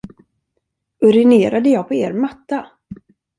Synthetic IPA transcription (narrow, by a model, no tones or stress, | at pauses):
ɵɾɪneːɾad̪əjɑːɡpʰɔeːɾmat̪ːa